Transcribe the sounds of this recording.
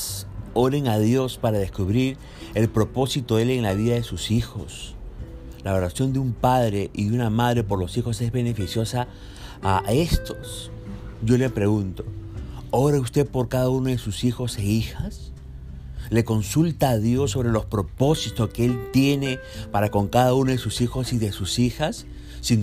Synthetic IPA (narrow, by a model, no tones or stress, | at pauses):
so̞ɾe̞ŋaðjo̞spaɾaðe̞skuβɾiɾ | e̞lpɾo̞po̞sit̪oðeleŋlaβiðaðe̞susixo̞s | laoɾasjo̞nd̪eumpað̞ɾe̞ʔiðeunamaðɾe̞po̞ɾlo̞sixo̞se̞zβe̞ne̞fisjo̞saː | e̞st̪o̞̥s | ʝo̞le̞pɾe̞ɣunt̪o̞oɾeust̪e̞po̞ɾkaðaunoðe̞susixo̞seixas | le̞ko̞nsult̪aːðjo̞sːo̞βɾe̞lo̞spɾo̞po̞sit̪oskeelt̪je̞ne̞ | paɾako̞ŋkaðaunoðesusixo̞siðe̞susixasː | in